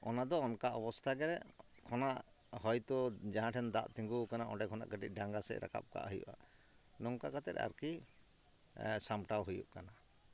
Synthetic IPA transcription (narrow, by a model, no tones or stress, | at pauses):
ɔnad̪ɔːnkaɔbɔst̪ʰaɡɛɾɛkʰɔnaʔ | hɔjt̪ɔd͡ʒaɦãʈʰɛnd̪aʔt̪iŋɡukanaʔɔ̰ɖɛkʰɔna̰ʔɡəʈḭc̚ˀɖaŋɡasɛ̰ʔɾa̰ka̰p̚ka̰ʔɦujṵʔa̰ | nɔŋkakat̪ɛɾa̰ɾki | samʈawɦujṵʔkana